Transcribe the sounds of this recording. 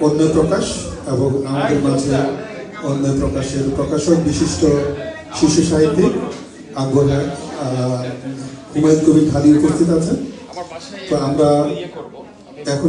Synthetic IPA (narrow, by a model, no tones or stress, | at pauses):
onːopɾɔkaʃeboŋamad̪eɾmad͡ʑʱʰe | onːopɾokaʃeɾpɾokaʃokbiʃiʃʈo | ʃiʃuʃaɦit̪ːi | aɡoɦa | ɦumad̪kʰubʱibʱaliupost̪ʰit̪at͡ɕʰe | t̪oamɾa | ɛkʰo